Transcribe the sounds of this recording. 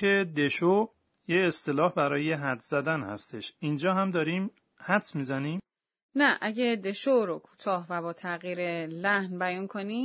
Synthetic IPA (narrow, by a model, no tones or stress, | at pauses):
ed̪e̞ʃo | jeest̪e̞lɒːhbæɾɒːjeɦæt̪z̥æd̪ænhæ̰st̪e̞ʃind͡ʒɒːɦæmd̪ɒːɾiːm | hæt̪smiːzæniːm | næʔæɟed̪e̞ʃoɾokʰu̥ːt̪ʰɒːɦvæbɒːt̪ʰæɣiːɾelæhnbæjɒːnkʰoni